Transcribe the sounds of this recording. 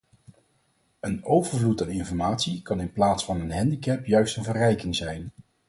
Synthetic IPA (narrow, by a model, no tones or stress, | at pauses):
ənowvəɹvlutaːnɪnfɔɹmaːtsikɑnɪnplaːtsfɑnənɦɛndikɛpjœɥstənvərɛjkɪŋzɛjn